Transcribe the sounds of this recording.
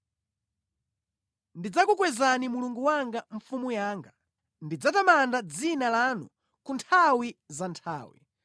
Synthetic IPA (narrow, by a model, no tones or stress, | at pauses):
ndid͡zakukwɛzanimuluŋɡuwaŋɡaɱ̩fumujaːŋɡa | ndid͡zatamandad͡zinalanu | kuntʰawizantʰa̰ːwḭ